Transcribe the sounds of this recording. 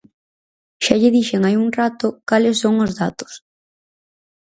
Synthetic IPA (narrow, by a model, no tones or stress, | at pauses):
ʃaʎɪðiʃeŋajuŋrat̪ʊkalɪsːoŋozðat̪ʊ̥s